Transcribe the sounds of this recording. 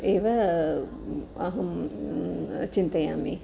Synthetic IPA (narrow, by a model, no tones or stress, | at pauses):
eːʋɐ | ɐɦɐm | t͡ʃint̪ɐjaːmi